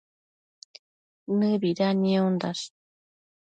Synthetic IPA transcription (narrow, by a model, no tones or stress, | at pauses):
nɨβiɾaniond̪as